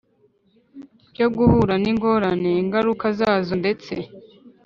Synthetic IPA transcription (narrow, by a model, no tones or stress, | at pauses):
joɡuhuɾaniŋɡo̞ɾane̞ŋɡaɾukazaːzo̞nde̞t͡se̞̰